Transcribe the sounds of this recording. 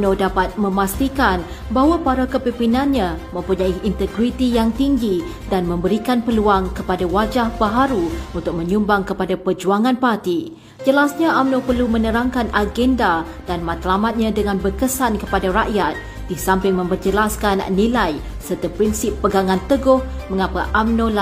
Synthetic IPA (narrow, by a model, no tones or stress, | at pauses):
nodapat̪̚mə̃mast̪ikan | baɦwapaɾakəpimpinãnɲãmə̃mpuɲaiint̪əɡɾit̪ijaŋt̪iŋɡi | danmə̃mbəɾikanpəluaŋkəpadawad͡ʒahbaɦaɾuunt̪ʊk̚mə̃ɲumbaŋkəpadapərd͡ʒuaŋãnpart̪i | d͡ʒəlasɲaʔamnõpərlumə̃nəɾaŋkanʔaɡɛnda | d̥anmãt̪lamat̪̚ɲãdəŋãnbərkəsankəpadaɾaʔjat̪̚ | d̥isampɪŋmə̃mpərd͡ʒəlaskan̰nilaj | sərt̪apɾinsɪpːəɡaŋãnt̪əɡʊhmə̃ŋapaʔamnola